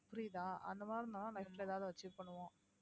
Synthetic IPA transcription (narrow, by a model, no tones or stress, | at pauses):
pɾiːðaːɐ̰nd̪ɐmaːɾnanãnɐʈleːðaːʋðɯʋɐt͡ʃːɪpːɐɳɯʋõː